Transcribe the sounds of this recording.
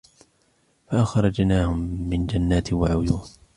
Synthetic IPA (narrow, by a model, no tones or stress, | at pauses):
faʔaxɾˤɑd͡ʒnaːhʊmːɪnd͡ʒanːaːt̪ɪwaʕʊjuːn